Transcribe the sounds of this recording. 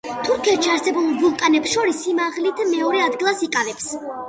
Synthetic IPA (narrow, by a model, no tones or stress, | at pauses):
t̪ʰuɾkʰɛt̪ʃiaɾsɛbulˠbulˠkʼanɛpsʃɔɾisːimaʁlit̪ʰmɛɔɾɛad̪ɡilˠasikʼavɛps